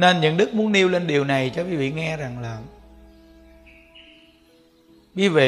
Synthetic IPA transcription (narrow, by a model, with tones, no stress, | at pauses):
ne˧nɲə̰˧˨nɗɨ˦˥k̚mu˨˦ənʔi˧wle˧nɗi˨˩əwna˨˩jt͡ɕɔ˧ki˨˦vḭ˧˨ŋɛ˧za˨˩ŋlaː˨˩ | ɓi˨˧˦ve˨